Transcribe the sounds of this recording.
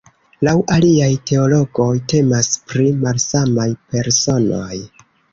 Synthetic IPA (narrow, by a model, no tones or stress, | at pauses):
lawʔaliajtʰe̞o̞lo̞ɡo̞jte̞maspɾimalsamajpe̞ɾso̞no̞̰j